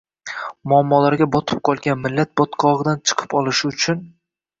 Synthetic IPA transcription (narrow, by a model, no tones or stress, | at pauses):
mʊamːɒlaɾɡʲabɒt̪ʰɨ̥p̚qʰɒlˠɡʲanmɪlːat̪̚bɒt̪qʰɒʁɨd̪ant͡ʃʰɨ̥qʰɨ̥pɒlˠɪʃɪʊt͡ʃʰʊn